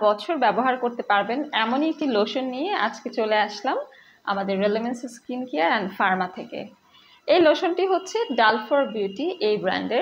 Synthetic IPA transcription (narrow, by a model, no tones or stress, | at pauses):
bɔt͡ɕʰoɾbɛboɦaɾkoɾt̪epaɾbenɛmoniek̚ʈiloʃonːijeʔa̰d͡ʑket͡ɕoleaʃlam | a̰mad̪eɾːelemensskinkiaɛnfaɾmat̪ʰekḛ | ejloʃonʈiɦotːɕʰeɖalfoɾbjuʈiʔejbɾa̰ɳɖeɾ